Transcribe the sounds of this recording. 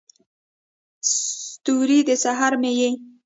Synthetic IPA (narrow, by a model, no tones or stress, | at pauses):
st̪uɾid̪əsaɦaɾmeje